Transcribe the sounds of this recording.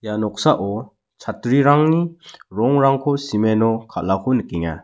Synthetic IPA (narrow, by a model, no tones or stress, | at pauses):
janɔk̚saʔɔ | t͡ʃʰatɾiɾaŋniɾɔŋɾaŋkʰɔsimenɔkʰa̰lakʰɔnəkiŋa̰